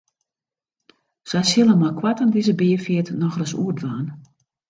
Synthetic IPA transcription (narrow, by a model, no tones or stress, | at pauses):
sajsɪlˠəmɔkʰwatandizəbɪːəfjiətnɔxrəsṵədʋaːn